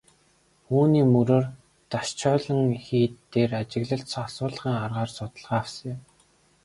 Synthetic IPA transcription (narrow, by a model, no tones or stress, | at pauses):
uːniːmɵɾoːr | t̪aʃt͡ɕʰœːɮə̆ŋxiːt̪ːeːrat͡ɕɪ̆ɣɮə̆ɬt̪sasʊːɮ̆χiːŋarʁaːrsʊt̪ə̆ɮʁaːwsə̆ŋɪ̆m